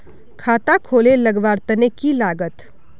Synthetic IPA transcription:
kʰaːt̪akʰoːleləɡʋaːɾt̪ənekilaːɡət̪

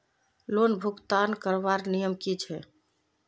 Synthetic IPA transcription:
lonbʱukt̪ankəɾbaɾnijəmkit͡ʃʰɛ

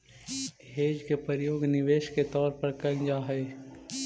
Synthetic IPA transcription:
ɦeːd͡ʒkepəɾjoːɡnɪʋeːʃket̪ɔːɾpəɾkɐɡd͡ʒaɦɛː

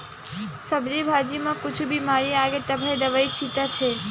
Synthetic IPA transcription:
səbɾibʱad͡ʒimãkʊt͡ʃʰubimaɾiaɡet̪əbʱaed̪əʋait͡ʃʰit̪at͡ʃʰe

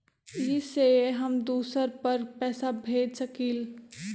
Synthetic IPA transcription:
iseɦəmd̪uːsəɾpəɾpɛːsabʱeːd͡ʒsəkiːl

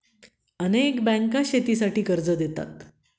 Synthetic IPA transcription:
ənekbɛ̃ŋkaɕet̪isaʈiːkəɾd͡zəd̪et̪a̰t̪

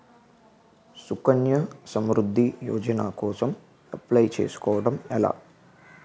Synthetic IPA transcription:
sukɐnjɐsɐmɾud̪ʱːijɔ̰ːd͡ʒɐna̰ːkɔːsɐm | ɐplɐjt͡ʃe̞ːsu̥kɔːʋɐɽɐmɛla̰ː

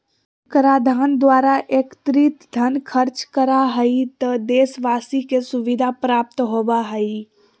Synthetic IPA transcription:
kɾaːd̪ʱaːnd̪waːɾaʔeːkt̪ɾit̪d̪ʱɐnkʰəɾt͡ʃkəɾaɦəit̪əd̪eːsʋaːsikesʊʋɪd̪ʱapɾaːp̚t̪ɦoːbaɦəi

